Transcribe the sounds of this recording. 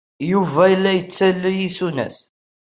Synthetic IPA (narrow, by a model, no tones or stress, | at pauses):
juvæjəlːæjət͡sːælːijisunæ̰s